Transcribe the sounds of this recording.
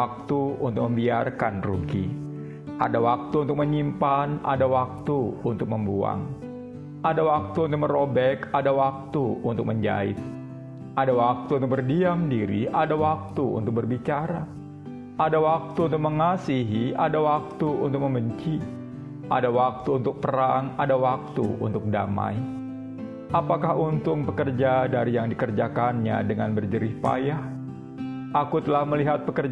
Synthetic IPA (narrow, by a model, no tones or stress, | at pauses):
k̚t̪uunt̪ʊk̚məmbiarkanrṵɡḭ | ʔa̰dawak̚t̪uːnt̪ʊk̚məɲimpanʔa̰dawak̚t̪uunt̪ʊk̚məmbua̰ŋ | ʔadawak̚t̪uːnt̪ʊk̚məɾobɛkadawak̚t̪uunt̪ʊk̚məɲd͡ʒa̰ɪ̰t̪̚ | adawak̚t̪unt̪ʊk̚bərdiamdiɾiadawak̚t̪uṵnt̪ʊk̚bərbit͡ʃaɾa | adawak̚t̪uːnt̪ʊk̚məŋasiɦiadawak̚t̪uunt̪ʊk̚məmbəɲt͡ʃi | ʔa̰dawak̚t̪uːnt̪ʊk̚pəɾaŋadawak̚t̪ṵṵnt̪ʊk̚da̰ma̰j | ʔapakahunt̪ʊŋpəkərd͡ʒadaɾijaŋdikərd͡ʒakanɲa̰dəŋanbərd͡ʒəɾɪhpa̰jah | ʔakut̪əlahməliɦat̪̚pəkər